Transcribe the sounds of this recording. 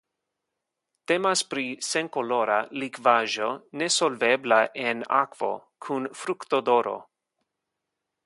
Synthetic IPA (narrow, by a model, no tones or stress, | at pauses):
t̪emaspɾiseŋkoloɾalikvaʒonesolveblaʔena̰kv̥o̰kʰunfɾukt̪od̪oɾo̰